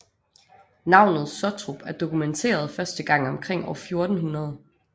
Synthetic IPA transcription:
nɑ̈ʊ̰nð̞̩ˠsɒt͡sʰʁub̥æɐd̥o̝kument͡sʰe̝̰ːɐð̞ˠfɶɐsd̥əɡ̥ɑ̈ŋ̰ɒ̽mkʰʁeŋ̰ɒʊfjo̝ɐd̥n̩ɦunɐð̞ˠə

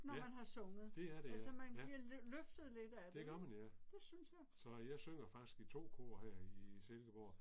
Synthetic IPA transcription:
nɒmænɦɑ̈sɔ̽ŋəð̩ˠd̥e̝æɐɾ̥eælsəmænbliɐløfd̥ð̞̩ˠle̝d̥æd̥eɡ̥ɶɐ̰mænæd̥e̝synsjɑ̈ɪsɒ̽jɑ̈ɪsøŋ̰ɐfɑ̈ɡ̥i̥sɡ̥it͡sʰo̝̰ːkʰo̝̰ːɐhɛɐ̰iselɡ̥əb̥o̰ː

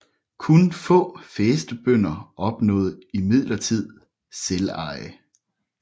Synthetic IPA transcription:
kʰunfɔ̰̽ːfeːsd̥əb̥øn̰ɐɒ̽b̥nɔ̰̽ːð̩ˠimið̰ˠlɐt͡sʰið̰ˠ | selɑ̈ɪ̰

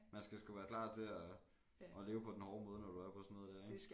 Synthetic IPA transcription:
mænsɡ̥æsɡ̥uʋæːɐkʰlɑ̰̈ːt͡sʰe̝æ | ʔɒle̝ːʊəpʰɒ̽d̥enhɒːmɔ̽ːð̞ˠənɒd̥uæɐpʰɒ̽sɔnoðˠd̥æɐeɡ

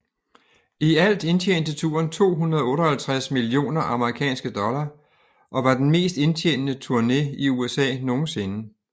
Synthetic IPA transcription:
iæl̰d̥e̝nt͡ɕʰeːnd̥ət͡sʰṵːɐnt͡sʰo̝̰ːɦunɐðˠɔ̽ːɾɒhælt͡sʰʁasmilio̝̰ːnɐʔɑ̈məʁikʰɛ̰ːnsɡ̥əd̥ɒ̽lɐ | ʔɒ̽ʋɑ̈d̥enme̝̰ːsd̥e̝nt͡sʰḛːnnət͡sʰuɐne̝iuesɛ̰ːno̝ːn̩se̝nə

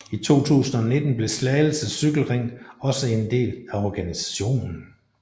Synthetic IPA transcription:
it͡sʰo̝̰ːt͡sʰṵːsn̩ɒ̽ne̝d̥n̩b̥le̝slɛɪl̩səsyɡ̥l̩ʁeŋ̰ɒ̽səe̝nd̥e̝̰ːlæɒɡ̥ænisæ̥ɕo̝̰ːnn̩

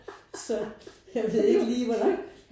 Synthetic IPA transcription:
sɒ̽jɑɪʋe̝ð̰ˠe̝ɡ̥əliːʋɒlɑ̈ŋ̰̥

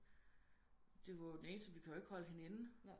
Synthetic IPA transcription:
d̥e̝ʋɑd̥ene̝ːnsd̥əʋikʰæjoe̝ɡ̥hɒ̽ləɦe̝næn̩

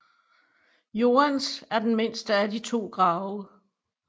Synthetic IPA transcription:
jo̝ːænsæɐd̥enme̝n̰sd̥əædit͡sʰo̝̰ːɡ̥ʁɑ̈ʊə

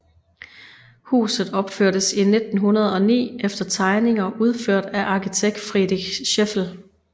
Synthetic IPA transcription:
hṵːsð̞̩ˠɒ̽b̥føɐ̰ɾ̥əsine̝d̥n̩ɦunɐð̞ˠɒ̽nḭːefd̥ɐt͡sʰɑ̈ɪne̝ŋɐʔuð̞ˠføɐ̰d̥æʔɑ̈kʰit͡sʰeɡ̥̚d̥fʁidiɕefl̩

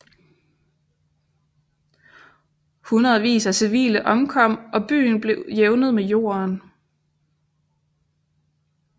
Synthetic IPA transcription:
hunʁɐð̩ˠʋḭːsæsiʋḭːləʔɒ̽mkʰɒ̽m̰ɒ̽b̥y̰ːn̩b̥le̝ʊjeʊnəð̞̩ˠmejo̝̰ːɐn

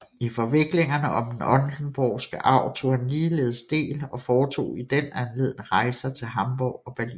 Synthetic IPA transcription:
ifɒ̽ʋe̝ɡ̥le̝ŋɐnəʔɒ̽md̥enɒ̽nd̥n̩b̥ɒʊ̰sɡ̥əʔɑ̈ʊ̰t͡sʰo̝̰henliːle̝ːð̞ˠsd̥e̝̰ːlɒ̽fɒːt͡sʰo̝̰ːid̥enænle̝ːðˠn̩ʁɑ̈ɪ̰sɐt͡sʰe̝lɦɑ̈mb̥ɒʊ̰ɒ̽b̥æɐlḭn

